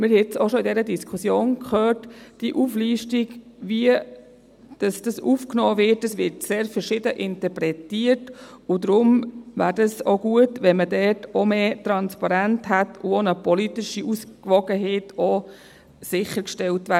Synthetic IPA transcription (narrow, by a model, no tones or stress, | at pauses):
mɪɾhɛt͡soʃoidɛɾədiskʰusjoːnkχøːtd̥iʔuːfliːʃtiɡviə | d̥ɑsd̥ɑsufknɔːvɪtːəsʋɪɾtseːɾfəɾʃɪdəʔɪntəɾpɾɛtiətʊdɾʊmvæːɾdɑsoɡ̥uətʋɛnmədɛtɔmeːtɾɑnspɑɾæntɦætʰʊonəpɔlitɪʃiʔuskʋɔɡəɦeːtɔ | sɪχəɾkʃtɛltʋæː